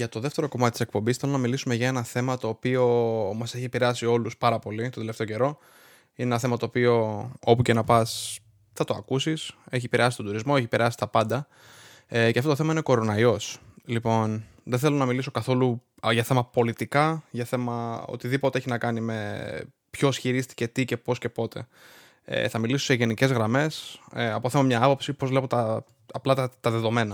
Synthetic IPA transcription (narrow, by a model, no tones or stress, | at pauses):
ʝɐt̪o̞ðe̞ft̪e̞ɾo̞ko̞mɐt̪it̪ise̞k̚po̞mbisθe̞lo̞nɐmilisume̞ʝɐe̞nɐθe̞mɐt̪o̞ːpio̞mɐse̞çiepiɾeɐsio̞luspɐɾɐpo̞lit̪ond̪eleft̪eoce̞ɾo̞ | inenɐθe̞mɐt̪o̞ːpio̞o̞puce̞nɐpɐs | θɐt̪oɐkusise̞çiepiɾeɐsi̥st̪od̪uɾizmo̞eçipeɾeɐsi̥t̪ɐpɐnd̪ɐ | ceɐft̪otoθemɐine̞ko̞ɾo̞nɐio̞slipo̞n | ðeθelonɐmiliso̞kɐθo̞lu | ʝɐθe̞mɐpo̞lit̪ikɐʝɐθe̞mɐo̞̰t̪iðipo̞t̪ee̞çinɐkɐnime̞ | pço̞sçiɾist̪i̥ce̞t̪ice̞po̞sce̞po̞t̪ʰḛ | ḛθɐmilisoseʝe̞nice̞zɣɾɐme̞seɐpoθemɐmɲɐɐpo̞psipo̞zvle̞pot̪ɐː | plɐt̪ɐt̪ɐðe̞ðo̞me̞nɐ